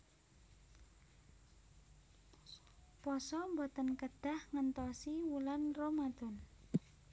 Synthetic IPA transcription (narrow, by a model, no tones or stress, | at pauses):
pɔsɔmbɔt̪ənkəd̪̥a̤hŋənt̪ɔsiwulanromad̪̥ɔ̤n